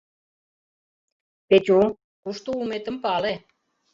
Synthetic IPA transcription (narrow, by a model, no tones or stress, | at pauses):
pet͡ɕu | kuʃt̪uumet̪ə̆mpɑle